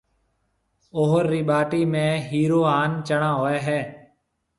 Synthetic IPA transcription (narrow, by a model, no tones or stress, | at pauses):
oːɦɾːiːɓaːʈiːmẽːɦiːɾoːaːnt͡ʃəɳãːɦoːeːɦɛː